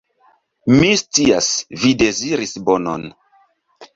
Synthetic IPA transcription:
mist͡siasvide̞ziɾisbono̰n

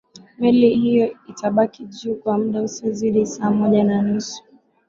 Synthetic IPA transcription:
milihijɔitʰaɓakiʄuːkwam̩ɗausiziɗisaːmɔʄananusu̥

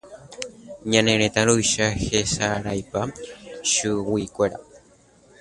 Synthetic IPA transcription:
ɲãnẽɾet̪aɾujʃahesaɾajpaʃɨwikʷeɾa̰

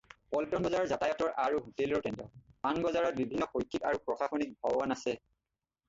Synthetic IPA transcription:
pɔltɔnbɔzaɹɔɹzatajɔtɔɹʔaɹuɦutelɔɹtɛntɔpanɡɔzaɹɔt̚bibʱinːɔxojtʰika̰ɹupɹɔxʰaxonik̚bʱɔanasɛ

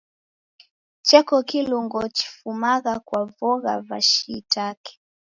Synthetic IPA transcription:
t͡ʃɛkɔkiluŋɡɔt͡ʃi̥fumaɣakwavɔɣa̰va̰ʃitakɛ̥

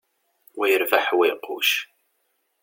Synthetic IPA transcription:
wæjəɾvaħwiqṵʃ

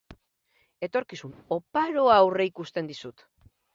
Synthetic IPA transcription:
e̞t̪o̞ɾkisuno̞paɾo̞aːwre̞ikust̪e̞nd̪isut̪

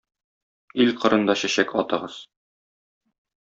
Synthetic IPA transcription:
ilqɤ̆ɾɤ̆nd̪ɑɕæɕækɒt̪ɤ̆ʁɤz̥

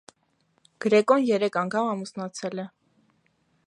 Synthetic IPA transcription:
ɡ̥ɾɛkɔnjɛɾɛkʰɑŋkʰɑmɑmusnɑt͡sʰɛlɛ

